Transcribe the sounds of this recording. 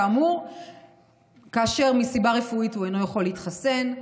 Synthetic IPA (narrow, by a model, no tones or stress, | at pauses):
muʁ | kaːʃe̞ʁmisibaʁe̞fuituejnojaχo̞lːeitχase̞n